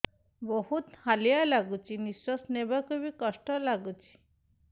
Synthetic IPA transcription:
bəɦut̪halijalaɡut͡ɕinisɔsnebəkəʋikəʂʈɔlaɡut͡ɕi̥

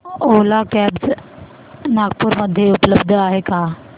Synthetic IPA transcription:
oːlakɛːbz | naːɡpʊɾmɐd̪ʱjeʊpləbd̪ʱaːɦekaː

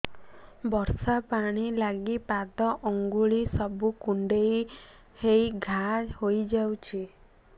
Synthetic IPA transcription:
bɔɾsapaɽ̃ilaɡipat̪ɔʔɔŋɡuɭisɔbukuɳɖej | hejɡʱahojd͡ʒawt͡ʃʰi

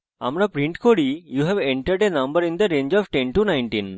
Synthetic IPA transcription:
a̰mɾapɾĩɳʈkoɾijuɦɛʋẽɳʈəɾɖenɐ̃mbəɾĩnd̪əɾẽnd͡ʒɔfʈẽnʈunajɳʈĩn

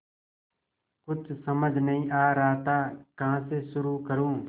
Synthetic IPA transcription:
kʊt͡ʃʰsəməd͡ʒʱnəɦĩːʔaːɾaːt̪aːkəɦãːseːʃʊɾuːkəɾũː

